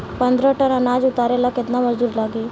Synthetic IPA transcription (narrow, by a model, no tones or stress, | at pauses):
pənd̪ɾəʈənənaːd͡ʒʊt̪aːɾelakɪt̪namɐd͡ʒd̪uːɾlaːɡeː